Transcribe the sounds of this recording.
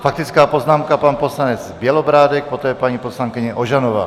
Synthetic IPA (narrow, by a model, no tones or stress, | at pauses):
fak̚t̪it͡skaːpɔznaːmkapaːnpɔslaɲɛd͡zbɪɛlɔbɾaːd̪ɛk̚pɔt̪ɔːɛpaɲipɔslaŋkiɲɛɔʒanɔʋa̰ː